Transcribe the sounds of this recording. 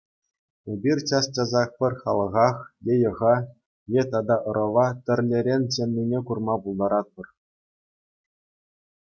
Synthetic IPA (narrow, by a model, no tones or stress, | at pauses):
ebʲirʲt͡ɕɑst͡ɕɑzɑχpʲɘ̆rʲχɑ̰lˠɤ̆ʁɑχjejɤ̆ʁɑ | jet̪ɑd̪ɑʔɤ̆ɾɤ̆ʋɑt̪ʲɘ̆rʲlʲeɾʲenʲt͡ɕenʲːinʲekurmɑpulˠd̪ɑɾɑt̪̚pɤ̆r